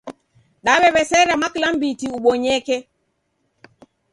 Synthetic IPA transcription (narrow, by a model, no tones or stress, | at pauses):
ɗaɓɛɓɛsɛɾamaklambitiuɓɔɲɛkɛ